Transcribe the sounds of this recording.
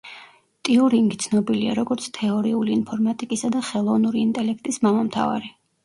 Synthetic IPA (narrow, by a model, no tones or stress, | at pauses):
t̪ʼiuɾiŋɡit̪sʰnɔbilia̰ɾɔɡɔɾt̪sʰt̪ʰɛɔɾiuliːnpʰɔɾmat̪ʼikʼisad̪aχɛlˠɔvnuɾiːnt̪ʼɛlɛk̚ʰt̪ʼismamamt̪ʰa̰va̰ɾɛ